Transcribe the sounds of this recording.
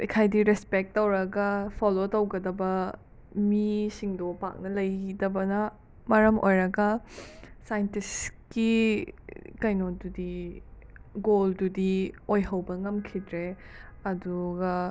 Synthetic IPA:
ekʰajdiɾɛspek̚tːowɾɐɡɐpʰɔlotɐwɡɐdɐbɐ | misiŋdopa̰k̚nɐlɐjidɐbɐnɐ | mɐɾɐmʔo̰jɾɐɡɐ | sajntiski | kɐjnodudi | ɡoldudiojɦɐwbɐŋɐmkʰidɾeɐduɡɐ

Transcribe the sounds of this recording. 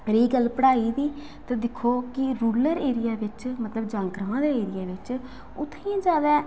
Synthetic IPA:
ɾiːɡəlːpəɽaːiːd̪iː | t̪ãːd̪ɪkʰoːkɪɾuːləɾeːɾɪjaːʋɪt͡ʃmət̪ləbd͡ʒãːŋkɾaãːd̪eːeːɾɪjaːʋɪt͡ʃ | ʊt̪ʰːĩːd͡ʒaːd̪aː

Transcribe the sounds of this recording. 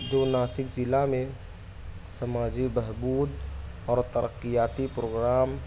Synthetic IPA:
d̪oːnaːsɪkd͡ʒɪlamẽ | səmaːd͡ʒibəɦbuːd̪ɔːɾt̪əɾəkːijaːt̪ipɾoːɡɾaːm

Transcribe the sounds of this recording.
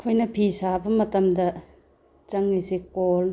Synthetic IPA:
kʰojnɐpʰisabɐmɐtɐmdɐ | t͡ʃɐŋlisikol

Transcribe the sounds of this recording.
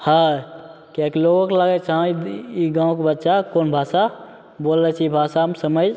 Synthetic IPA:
hã | kjakiloɡokelaɡɛt͡ʃʰãiɡãːõkebətːʃakonbʱasa | bolːɛt͡ʃʰibʱasamsəməd͡ʒ

